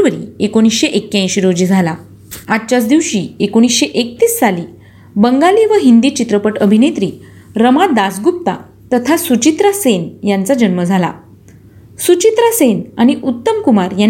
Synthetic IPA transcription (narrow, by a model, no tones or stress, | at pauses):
ʋəɾḭːekoɽ̃isɕeʔekːjãj̃ɕiɾod͡ʑiːd͡zʱala | ad̪t͡ɕat͡sd̪iʋɕiekoɽ̃isɕeʔek̚t̪iːsːaliː | bəŋɡaliʋəɦind̪iːt͡ɕit̪ɾəpəʈəbʱinet̪ɾiː | ɾəmad̪asɡup̚t̪a̰ | t̪ət̪ʰasut͡ɕit̪ɾasenjant͡sad͡ʑənməd͡zʱala̰ | sut͡ɕit̪ɾasenaɽ̃iʔut̪ːəmkumaɾja